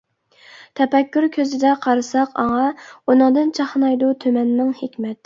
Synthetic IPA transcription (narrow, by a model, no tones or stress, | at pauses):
t̪ʰɛpɛkʲːyɾkʲʰøzɪd̪ɛqʰɑɾɨsɑqɑŋɑunɨŋd̪ɨnt͡ʃʰɑχnɑjd̪ut̪ʰømɛnːɪŋhekʲmɛt̪